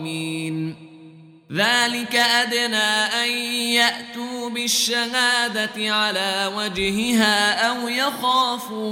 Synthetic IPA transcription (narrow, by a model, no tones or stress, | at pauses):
miːn | ðaːlɪkaʔad̪naːʔanjaʔt̪uːbɪʃːaɦaːd̪at̪ɪʕalaːwad͡ʒhɪɦaːʔawjaxaːfu